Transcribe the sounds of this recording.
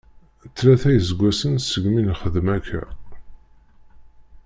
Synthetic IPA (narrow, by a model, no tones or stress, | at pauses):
t͡sːɾæθæjəzəɡʷːæsənsəɡminχəðmækʰːæ̰